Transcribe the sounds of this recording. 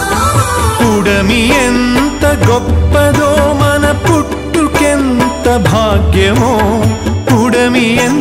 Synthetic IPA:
puɽɐmijent̪ɐɡɔpːɐd̪oːmɐnɐpuʈːukent̪ɐbʱaːɡjɐʋoːpuɽɐmijen

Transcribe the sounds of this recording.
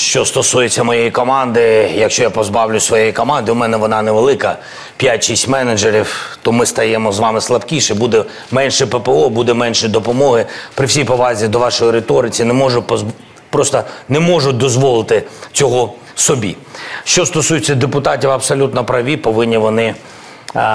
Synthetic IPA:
ʃt͡ʃɔst̪ɔsujet͡sʲːɐmɔjejikɔmɑnd̪ɪjɐkʃt͡ʃɔjapɔzbɑwlʲʊsʋɔjejikɔmɑnd̪ɪʊmɛnɛʋɔnɑneʋelˠɪkɐ | pʲjatʲʃisʲtʲmɛned͡ʒeɾʲiwt̪ɔmɪst̪ɐjɛmɔzʋɑmɪslˠɐpkʲiʃɛbud̪ɛ | mɛnʃɛpepeɔbud̪ɛmɛnʃɪd̪ɔpɔmɔɦɪpɾɪwsʲijpɔʋɑzʲid̪ɔʋɑʃɔjiɾet̪ɔɾɪt͡sʲinemɔʒʊp | pɾɔst̪ɐnɛmɔʒʊt̚ʲd̪ɔzʋɔlˠɪt̪ɪt͡sʲɔɦɔ | sɔbʲḭ | ʃt͡ʃɔst̪ɔsujɪt͡sʲːɐd̪epʊt̪ɑtʲiwɐbsɔlʲut̪nɔpɾɐʋʲipɔʋɪnʲːiʋɔnɪ

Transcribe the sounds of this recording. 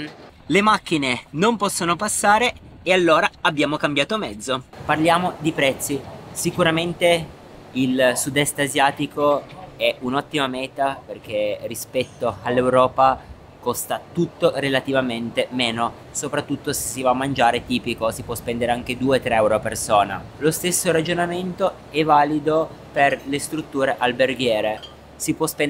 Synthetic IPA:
lemak̟ːinenompɔsːonopasːaːɾeːalːoːɾaabːjaːmokambjaːt̪omɛd̪zːoparljaːmod̪ipɾɛt̪sːisikuɾament̪e | ilsud̪ɛst̪azjaːt̪ikoɛunɔt̪ːimamɛːt̪aperk̟erːispɛt̪ːoalːewɾɔːpa | kɔst̪at̪ut̪ːorelat̪ivament̪emeːno | sopɾat̪ːut̪ːose̥sːivamːand͡ʒaːɾet̪iːpikosipwɔspɛnd̪eɾeaŋk̟ed̪uːet̪ːɾeɛwɾoapersoːnalost̪esːoɾad͡ʒonament̪o | ɛvaːlid̪o | perlest̪ɾut̪ːuːɾeʔalberɡ̟jɛːɾe | sipwɔspɛn

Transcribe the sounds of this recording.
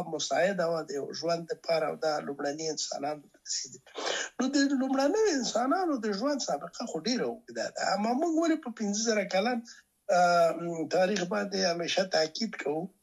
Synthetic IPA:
mʊsɑɪd̪awad̪əja̰wʒwand̪ːəpʰɑɾa̰wd̪ɑlumɽaniɪnsɑ̰nɑnt̪aɾaseɡinod̪əlumɽanəjoɪnsɑnɑnod̪əʒwand̪sɑbɪqaxoɖeɾawʊɡd̪a̰d̪a̰a̰mːɑmuɡwalepəpɪnzəzaɾakalan | t̪ɑɾixbɑnd̪eameʃat̪akid̪kʰawu

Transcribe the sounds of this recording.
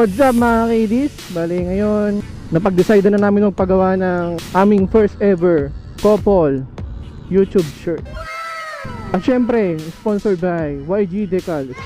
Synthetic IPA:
pɐd̪sap̚mɐakejd̪isbaːlɛŋɐjon | nːɐpɐɡd̪ɪsajd̪ɐnɐnaːmɪnmɐɡ̚pɐɡɐwanɐŋʔaːmɪŋfɛɹst̪ɛvɛɹ | kopol | jut̪ub̚t͡ʃɛɹt̪̚ | ʔɐt̪̚ʃɛmpɾɛsponsɔɹbajwajd͡ʒid̪ɛkɐl

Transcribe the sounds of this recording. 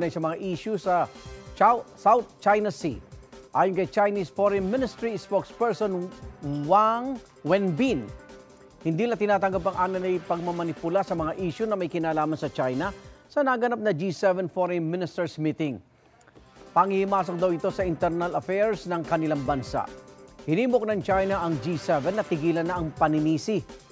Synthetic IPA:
nɐjsɐmɐŋaʔiːʃusɐt͡ʃawsawθ̚t͡ʃajnɐsiʔaːjʊnkɐjt͡ʃajnisfoɾɛnmɪnɪst̪ɾispokspɛɹsonwaŋ | wɛnbin | hɪnd̪iːlɐt̪ɪnaːt̪ɐŋɡap̬ɐŋʔaːnɐlɐjpɐɡ̚mɐmɐnɪpʊlasɐmɐŋaʔiːʃʊnɐmɐjkɪnaːlaːmɐnsɐt͡ʃajnɐsɐnɐɡɐnap̚nɐd͡ʒisɛvɛnfoɾɛnmɪnɪst̪ɛɹsmit̪ɪŋ | pɐŋɪhɪmaːs̬ok̚d̪ɐwɪt̪o̞sɐʔɪnt̪ɛɾnɐlɐfɛɹsnɐŋkɐnɪlaŋbɐnsa̰ʔhɪniːmok̚nɐŋt͡ʃajnɐʔɐŋd͡ʒisɛvɛnːɐt̪ɪɡiːlɐnːɐʔɐŋpɐnɪniːsɪ

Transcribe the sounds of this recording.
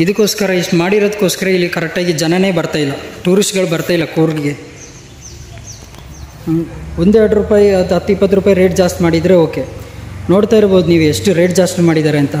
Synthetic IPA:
id̪ukːo̞ːskɐɾɐiʂʈumaːɽiɾod̪ɐkːo̞ːskɐɾɐilːikɐɾek̚ʈaːɡid͡ʒɐnɐne̞ːbɐɾt̪aːjilːɐʈuːɾisʈɡɐɭubɐɾt̪aːjilːɐkuːɾɡiɡe | ond̪eɾɐɽɾupaːjiɐd̪ɦɐt̪ːuipːɐt̪̬ːɾuːpaːjiɾe̞ːʈd͡ʒaːsʈmaːɽid̪ɾe̞oːke̞no̞ːɽt̪aːjiɾboːd̪uniːʋueʂʈɨɾe̞ːʈ̚d͡ʒaːsʈmaːɽid̪aːɾeɐnt̪ɐ

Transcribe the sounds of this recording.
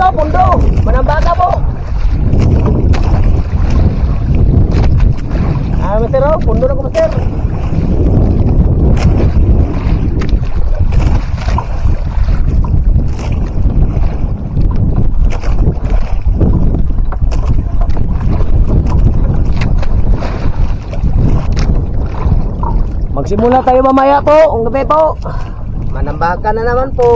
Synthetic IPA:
opundomanambakabo | amet̪eɾopunduɾakumat̪eɾ | maɡsimulat̪ajumamajaʔpoʔŋɡəpeʔpoʔ | manambakananamanpo

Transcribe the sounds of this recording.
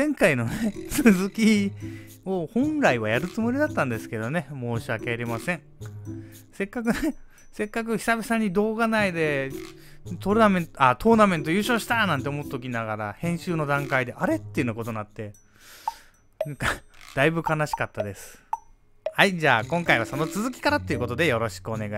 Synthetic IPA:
zẽ̞ŋkaino̞net͡sɨzɨkʲi | o̞hõ̞nɾaiβajaɾɯ̟t͡sɨmo̞ɾʲid̪at̪ːãnd̪e̞sɨ̥ke̞d̪o̞ne̞mo̞ːɕiakeaɾʲemasẽ̞ɴ | se̞kːakɯ̟ne | se̞kːak̬ɯ̟çʲi̥sabʲisaɲ̟ːid̪o̞ːɡanaid̪e̞ | t̪oɾɯnamẽ̞nat̪ʰo̞ːnamẽ̞nt̪̬o̞jɯ̟ːɕo̞ːɕi̥t̪anãnt̪̬e̞omo̞t̪ːt̪okʲinaɡaɾa̰hẽ̞ɰ̃ɕɨːno̞d̪ãŋkaid̪e̞ʔaɾe̞t̪ːeiɯ̟nːokot̪o̞nat̪ːe̞ | naŋkad̪̥aibɯ̟kanaɕi̥kat̪ːad̪e̞sɨ̥ | haid͡ʑaːkõ̞ŋkaiβaso̞no̞t͡sɨzɨkʲi̥kaɾat̪ːeiɯ̟ko̞t̪o̞d̪e̞jo̞ɾo̞ɕi̥kɯo̞neɡa

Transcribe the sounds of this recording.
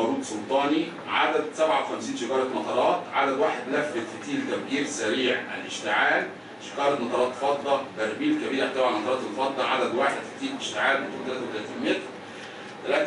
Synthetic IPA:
ɾuːd̪sˤolt̪ˤɑːni | ʕa̰d̪æd̪sæbʕawxæmsiːnʃekɑːɾˤɑt̪mɑt̪ˤɑɾˤɑːt̪ʕa̰d̪æd̪waːħed̪læfːed̪fit̪iːlt̪æfɡiːɾsæɾiːʕæ̰lʔɪ̰ʃt̪ɪʕaːl | ʃe̥kɑːɾˤɑt̪mɑt̪ˤɑɾˤɑːt̪fɑt̪ˤːɑbæɾbiːlkæbiːɾeħt̪æwæʕalmɑt̪ɑɾˤɑːt̪elfɑt̪ˤːɑʕad̪æd̪waːħed̪fɪ̥t̪iːlʔeʃt̪eʕaːlment̪uːt̪ælæːt̪æwt̪ælæt̪iːnmet̪ɾ | t̪ælæːt̪

